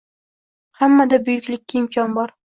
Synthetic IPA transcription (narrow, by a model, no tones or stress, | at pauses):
hamːad̪abɵjɪkʲlɪkʲːaɪmkʲʰɒnbɒɾ